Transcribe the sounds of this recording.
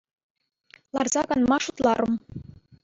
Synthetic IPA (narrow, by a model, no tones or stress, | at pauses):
lˠɑrzɑɡɑnmɑʂut̪lˠɑɾɤ̆m